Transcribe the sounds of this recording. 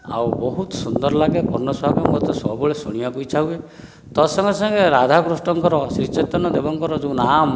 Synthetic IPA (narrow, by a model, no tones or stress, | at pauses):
a̰wbɔɦut̪ɔ̥sund̪ɔɾlaɡepɔɾnɔswaɡɔmɡɔt̪ɔsɔbɔɭesuɽ̃ibakujt͡ʃʰawe | t̪ɔsɔŋɡɔsɔŋɡeɾad̪ʱakɾusʈɔŋkɔɾɔsiɾt͡ʃet̪ɔnɔd̪ebɔŋkɔɾɔd͡ʒuũnam